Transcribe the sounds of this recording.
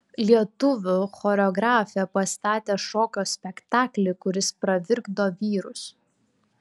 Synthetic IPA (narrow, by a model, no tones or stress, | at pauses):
lʲiɛt̪ʊʋʲʊxoːɾʲɛɔɡɾɑːfʲɪjɛpɐst̪ɑːt̪ʲeːʃoːkʲoːsʲpʲɛkt̪ɑːklʲɪkʊɾʲɪspɾɐʋʲɪɾɡd̪oːʋʲiːɾʊs